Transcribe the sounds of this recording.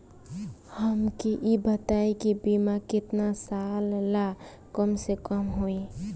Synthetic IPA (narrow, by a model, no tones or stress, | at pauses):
həmkiʔibət̪aekibimakɪt̪nasalla | kəmsekəmɦoi